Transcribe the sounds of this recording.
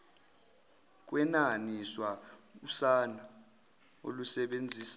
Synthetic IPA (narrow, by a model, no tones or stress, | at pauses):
k̬ʼwɛnaniswa | usana | o̰lusɛɓend͡zʱiːsḁ